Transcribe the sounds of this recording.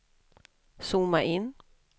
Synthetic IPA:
suːmaʔɪnː

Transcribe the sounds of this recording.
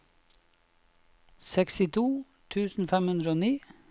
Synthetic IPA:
sɛksɪt̪ʰuː | t̪ʰʉːsn̩fɛmhʉnd̪ɾəoːniː

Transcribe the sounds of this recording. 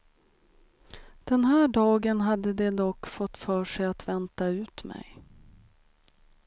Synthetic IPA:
d̪̥ɛnɦæːɖɑːɡənɦad̪ːəd̪ɛd̪ɔkːfɔt̪ːfœːʂɛjat̪vɛnt̪aʉ̟ːt̪mɛ̰j

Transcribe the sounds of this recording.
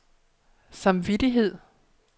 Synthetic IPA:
sɑ̈mʋiɾiɦe̝ð̰ˠ

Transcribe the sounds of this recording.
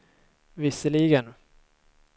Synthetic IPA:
vɪsəɭiɡən

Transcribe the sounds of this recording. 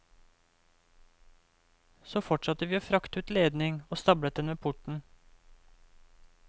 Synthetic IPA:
soːfɔʈʃɑt̪əʋiːoːfɾɑkt̪ʉːt̪leːd̪nɪŋoːst̪ɑbɽət̪̚d̪ɛnʋeːpʰʊʈɳ̩

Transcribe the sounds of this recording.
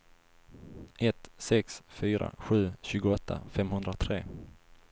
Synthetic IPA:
ʔɛt̪sɛksfyːɾa̰ɧʉ̟ːɕʉ̟ːɡʊɔt̪ʰːa̰fɛmhɵnd̪ɾat̪ʰɾeː

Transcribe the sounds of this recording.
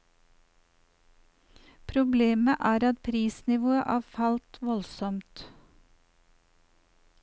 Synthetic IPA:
pʰɾʊbleːməʔæːɾɑt̪̚pʰɾiːsnɪʋoːəʔɑːfɑlt̪ʋɔlsɔmt̪

